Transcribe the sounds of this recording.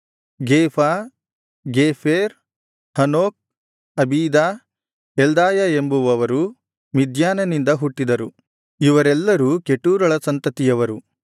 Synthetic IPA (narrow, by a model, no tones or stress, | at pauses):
ɡeːpʰaː | ɡeːfʰeːɾ | hɐnoːk̚ | ɐbʱiːd̪aː | eld̪aːjɐe̞mbuʋɐʋɐɾu | mid̪ʱjaːnɐnind̪ɐɦuʈːid̪ɐɾu | iʋɐɾɛlːɐɾukeʈːuːɾɐɭɐsɐnt̪ɐt̪ijɐʋɐɾu